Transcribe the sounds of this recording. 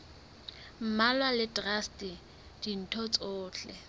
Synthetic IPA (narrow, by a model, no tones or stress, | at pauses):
m̩malwalɪdrastʼi | d̥in̩tʰɔt͡sʼʊːt͡ɬʼɛ̰